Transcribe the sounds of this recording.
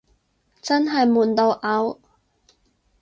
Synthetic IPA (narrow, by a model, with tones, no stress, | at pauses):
t͡sɐ˥nɦɐ˨jmuː˨˩nt̪o˧wʔɐ˨˥w